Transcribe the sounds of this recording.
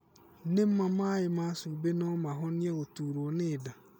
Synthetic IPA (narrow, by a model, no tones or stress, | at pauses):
n̩nẽm̩mãmãːjɪmãsʊbenɔ̃mãɦɔnɪ̃ɛotuɾonɪda